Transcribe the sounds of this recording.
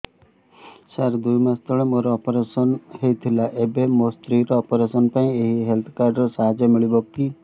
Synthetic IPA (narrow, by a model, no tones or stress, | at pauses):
saɾd̪ujmast̪ʰɔɭemoɾɔːpɔɾesɔnɦejt̪ʰilaʔebemost̪ɾiɾɔːpɔɾesɔnpãĩeɦiɦelt̪ʰkaɾɖɾɔsaɦad͡ʒɔmiɭibɔkki